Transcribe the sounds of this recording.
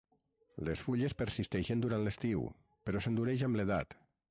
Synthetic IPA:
lesfuʎespeɾsist̪ɛʃend̪uɾant̪lest̪iw | peɾɔsend̪uɾeʒambleða̰t̪

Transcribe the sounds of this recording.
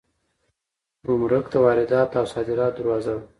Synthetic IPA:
ɾʊmɾəkt̪awɑːɾɪd̪ɑːt̪awsɑːd̪ɪɾɑd̪əɾwɑːzaw

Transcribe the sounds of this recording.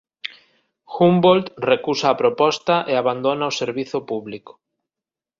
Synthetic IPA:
xumbolt̪rekusaːpɾopɔst̪aʔeaβand̪onaoseɾβiθopuβliko̥

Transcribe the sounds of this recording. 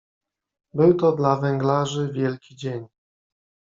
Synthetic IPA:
bɘwt̪ɔd̪lavɛŋɡlaʐɘvʲjɛlkʲid͡ʑeɲ

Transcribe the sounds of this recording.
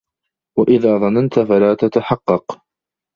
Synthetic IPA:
waʔɪðaːðˤɑnant̪afalaːt̪at̪aħɑqːɑq

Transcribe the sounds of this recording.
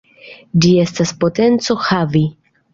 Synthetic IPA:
d͡ʒie̞staspo̞te̞nt͡so̞xavi

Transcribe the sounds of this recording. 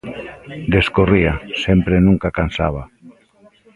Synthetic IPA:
d̪eskoriasempɾenũŋkakansa̰βa

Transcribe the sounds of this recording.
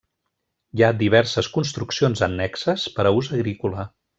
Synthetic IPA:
jad̪iβɛɾsəskunst̪ɾuksionzənːɛksəspəɾəuzəɣɾikulə

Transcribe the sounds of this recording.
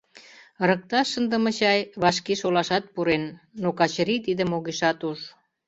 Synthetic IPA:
ɾək̚t̪ɑʃənd̪ə̆mə̆t͡ɕɑjβɑʃkeʃolɑʃɑt̪̚puɾenːokɑt͡ɕɾit̪id̪əmoɣiʃɑt̪uʒ

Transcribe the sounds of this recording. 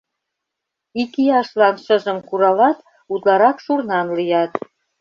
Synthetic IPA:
ikiɑʃlɑnʃəʒə̆mkuɾɑlɑt̪ | ut̪lɑɾɑkʃurnɑnlijɑt̪

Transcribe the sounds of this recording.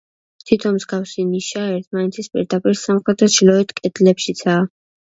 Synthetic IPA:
t̪ʰit̪ʰɔnmzɡafsiniʃaɛɾt̪ʰmanɛt̪ʰispʼḭɾd̪apʼiɾsamχɛd̪ɾɔʃilɔɛt̪ʰkʼɛd̪lɛpʃit̪sʰaː

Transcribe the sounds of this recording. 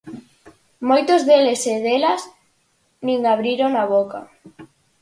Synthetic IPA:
mojt̪ozðeleseðelas | nĩŋaβɾiɾoŋaβ̞oka̰

